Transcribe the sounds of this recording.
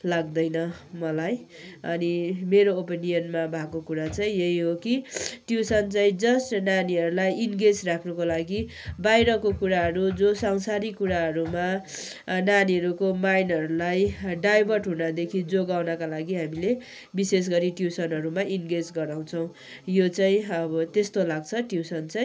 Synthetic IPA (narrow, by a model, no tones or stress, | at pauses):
laɡd̪ʌjnʌmʌlaj | ʌnimeɾoːpeniʌnmabʱakokuɾat͡sʰʌ̃jeɦiɦokiʈjusʌnt͡sʌĩd͡zʌsʈnaniɦʌɾulajinɡed͡zrakʰnʌkolaɡi | bajɾʌkokuɾaɦʌɾud͡zosaŋsaɾikuɾaɦʌɾuma | naniɦʌɾukomajnʌɾulajɖajbʱʌrʈɦunʌd̪ekʰid͡zoɡawnʌkalaɡiɦamile | bises̬ɡʌɾiʈjusʌnɦʌɾumaʔinɡed͡zɡʌɾaw̃t͡sʰʌw̃ | jot͡saĩʌbʌt̪est̪olaɡt͡sʰʌʈjusʌnt͡saj̃